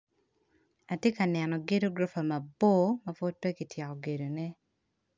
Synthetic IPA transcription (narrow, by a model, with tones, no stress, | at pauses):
a˨tje˦ka˨nɛ˨nɔ˨ɡe˦do˦ɡɾo˦fa˨ma˨bo˦mɐ˦fo˦d̚pe˦ki˨tjɛ˨kɔ˨ɡe˨do˨nɛ˦